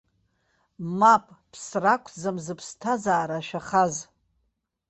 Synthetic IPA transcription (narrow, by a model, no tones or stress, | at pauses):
mapʼpʰsrakʷʰd͡zamzɨpʰstʰazaːɾaʃᶣaχaz